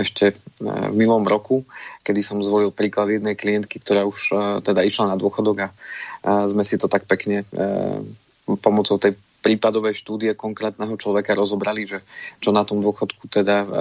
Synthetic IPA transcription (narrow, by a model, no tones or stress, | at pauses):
ɛʃcɛvmilɔmɾɔkukɛd̪isɔmzʋɔlilˠpɾiːklad̪jɛd̪nɛjkliɛnt̪kikt̪ɔɾaːuʃt̪ɛd̪aiʃlanad̪ʊɔxɔd̪ɔɡa | zmɛsit̪ɔt̪ak̚pɛkɲɛ̰ | pɔmɔt͡sɔʊt̪ɛj | pɾiːpad̪ɔʋɛjʃt̪uːd̪ijɛkɔŋkɾɛːt̪nɛɦɔt͡ʃlɔʋɛkaɾɔzɔbɾaliʒɛt͡ʃɔnat̪ɔmd̪ʊɔxɔt̪kut̪ɛd̪a